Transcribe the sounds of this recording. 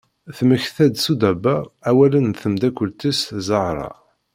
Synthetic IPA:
θməçθæd̪sud̪æbææwælənθəmd̪ækʷːəlt̪iszəʁɾˤɑ̰

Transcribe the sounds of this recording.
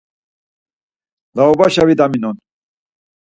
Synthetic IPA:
laɔbaɕavid̪aminɔn

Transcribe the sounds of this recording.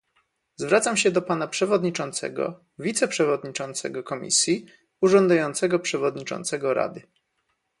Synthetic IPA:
zvɾat̪samɕɛd̪ɔpanapʂɛvɔd̪ɲit͡ʂɔnt̪sɛ̰ɡɔ̰ | vʲit̪sɛpʂɛvɔd̪ɲit͡ʂɔnt̪sɛ̰ɡɔkɔmʲḭsʲji | uʐɔnd̪ajɔnt̪sɛɡɔpʂɛvɔd̪ɲit͡ʂɔ̰nt̪sɛɡɔɾa̰d̪ɘ

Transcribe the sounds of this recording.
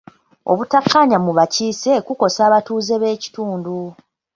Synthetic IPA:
o̞̰βutakːaɲamuβaciːse̞kuko̞saːβatuːze̞βe̞ːci̥tuːndu

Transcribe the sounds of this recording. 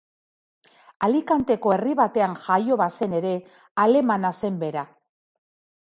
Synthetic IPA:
alikant̪e̞ko̞e̞riβat̪e̞aŋʝajo̞βase̞ne̞ɾe̞ | ale̞manase̞mbe̞ɾa

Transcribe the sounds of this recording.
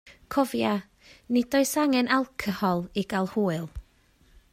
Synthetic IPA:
kʰɔvja | nɪd̥ɔɨsaŋɛnalˠkʰəhɔlˠiɡalˠhuːɨlˠ

